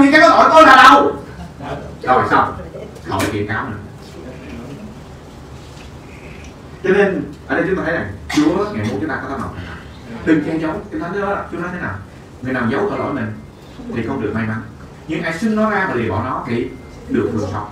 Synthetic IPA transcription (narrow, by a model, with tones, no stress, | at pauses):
ɲɨ˧˩ka˨˦jkɔː˨˦˥t̪o˧˩˦t̪o˧jlaː˨˩ɗə˧w | zɔ˨˩jsa˧wŋ͡m | xə̰˧˩jkḭ˧˩˨nkaː˨˦wnɨ̰˨˧˩ə | t͡ɕɔ˧ne˧nʔəː˧˩ɗə˧jt͡ɕʊ˦t̪aː˧t̪ʰjzaː˨˩ŋt͡ɕu˨˦əŋaː˨˩jmo˨˦˩t̚t͡ɕɨ˨˦ŋ͡mt̪aː˧˨˦t̪aː˧˥nɔ̰˨˩t̪a˨˧˩nt̪a̰˨˩ | ɗɨ˨˩ŋkɛ˧t͡ɕə˨˦wŋ͡mt͡ɕ̪i˧˨˦nt̪ʰnt̪ɨ˨˦ɔ˨˦la˨˩t͡ɕu˨˦nɔ˨˦t̪ʰjnaː˨˩w | ŋɨ˨˩əjnaː˨˩wzə˨˦wt̪əː˨˧˩ʔə̰ː˧˩jmï˨˩ŋ̟ | t̪ʰi˨˩xə˧wŋ͡mɗɨ˨˩ək̚ma˧jma˨˦n | ɲɨ˧ŋʔaː˧jsi˧ŋnɔ˨˦zaː˧vaː˨˩li˨˩əɓɔː˧˩nɔ˨˦t̪ʰḭ˧˩ | ɗɨ˨˩ək̚vɨ̰˨˩əŋ̚fɔ̰˨˩wk͡p̚